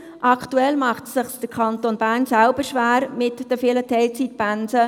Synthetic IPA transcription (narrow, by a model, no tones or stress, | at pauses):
ʔɑktuɛlmɑχtsɪχsd̥əɾkʰɑntonbæːɾnsælbəɾʃʋæːɾmɪtd̥əfɪːlətʰɛɪlt͡sit̪̚bænsə